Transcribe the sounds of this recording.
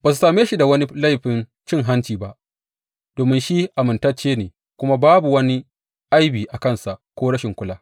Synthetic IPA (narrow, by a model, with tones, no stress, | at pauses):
baː˨su˨saː˨meː˦ʃi˦da˨wɐ˦ni˦la˦˨jɸɪ˨n | t͡ʃɪ˦˨ŋɦa˦nt͡ʃiː˨ba˦ʔ | doː˨mɪ˦nʃi˦ʔa˨mɪ˨ntɐ˦t͡ʃeː˦neː˨ | kʷʊ˦ma˦baː˦bu˨wɐ˦ni˦ | ʔa˦jbiː˨ʔa˨kɐ˦˨nsa˨ʔkʷoː˦ɽɐ˦ʃɪ˨ŋkʷʊ˦laː˦